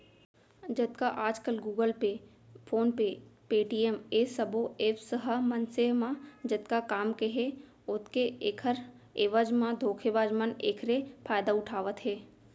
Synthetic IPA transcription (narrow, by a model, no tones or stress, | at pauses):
d͡ʒət̪kaʔaːd͡ʒkəlɡuːɡəlpe | pʰoːnpepeːʈiemeːsəboeːfsəɦəmɐnsemãd͡ʒət̪kakaːmkeɦe | ʊt̪keeːkʰəɾ | eːʋəd͡ʒmãd̪ʱoːkʰebaːd͡ʒməneːkʰɾepʰaːjd̪aʊʈʰaːʋət̪ɦeː